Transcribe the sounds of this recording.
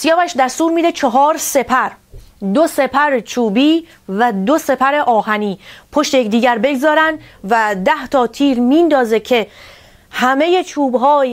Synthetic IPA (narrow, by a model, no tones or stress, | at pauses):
sjɒːbæʃd̪æst̪uːɾmiːd̪et͡ʃʰeɦɒːɾse̞pʰæɾd̪ose̞pʰæɾet͡ʃʰuːbiː | væd̪ose̞pʰæɾeʔɒːhæniːpʰoʃt̪ejecʲd̪iːɟæɾbe̞ɡzɒːɾænd̪væd̪æht̪ʰɒːt̪ʰiːɾmiːnd̪ɒːzecʰe̞ | hæme̞je̞t͡ʃʰuːbɦɒːj